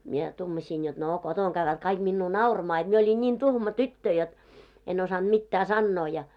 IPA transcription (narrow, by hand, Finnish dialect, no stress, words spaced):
mie tuːmɑsiːn jot no kotoŋ ɡ̊æʋːæt kɑik minːuː nɑurɑmɑː jot mie olʲin nʲin tuhmɑ tytːø jot en osɑnd̥ mitːæː sɑnːoː jɑ